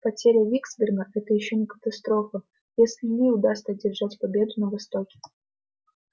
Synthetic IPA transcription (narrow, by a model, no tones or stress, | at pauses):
pɐtʲeɾʲɪəvʲiɡzbʲɪrɡəʔɛt̪əjɪɕːo̞nʲɪkə̥t̪ɐst̪ɾo̞fə | jesʲlʲɪnʲɪʊd̪ast̪ədʲɪrʐatʲpɐbʲe̞d̪ʊnəvɐst̪o̞kʲɪ̥